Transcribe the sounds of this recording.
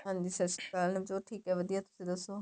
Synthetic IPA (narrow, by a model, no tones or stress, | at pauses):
ɦãːnd̪iːsəɾskaːlnebd͡ʒoːʈʰiːkɦɛːʋəd̪ijaːt̪ʊ̥sĩːd̪əsoː